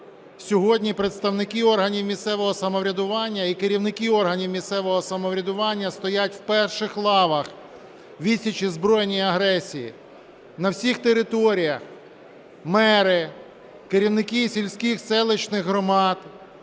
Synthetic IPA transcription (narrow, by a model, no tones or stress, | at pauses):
sʲɔɦɔdʲnʲipɾet̪st̪ɐwnɪkiɔrɦɐnʲiwmʲissɛʋɔɦɔsɐmɔʋɾʲɐd̪ʊʋɑnʲːɐikeɾʲiwnɪkiɔrɦɐnʲiwmʲist̪sɛʋɔɦɔsɐmɔwɾʲɐd̪ʊʋɑnʲːɐst̪ɔjatʲwpɛrʃɪxlˠɑʋɐx | ʋʲisʲɐt͡ʃizbɾɔjenʲijiɐɦɾɛsʲijḭ | nɐwsʲixt̪eɾɪt̪ɔɾʲijɐx | mɛɾɪ | keɾʲiwnɪkisʲilʲsʲkʲixsɛlˠɪt͡ʃnɪxɦɾɔmɑd̪̥